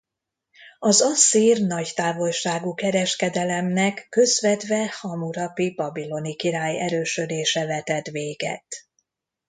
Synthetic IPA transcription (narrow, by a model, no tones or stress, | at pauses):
ɒzɒsːiːrnɒɟt̪aːvo̞lʃaːɡukɛɾɛʃkɛd̪ɛlɛmnɛkːø̞zvɛd̪vɛhɒmuɾɒpibɒbilo̞nikiɾaːjɛɾøːʃø̞d̪eːʃɛvɛt̪ɛt̪ʋeːɡɛ̰t̪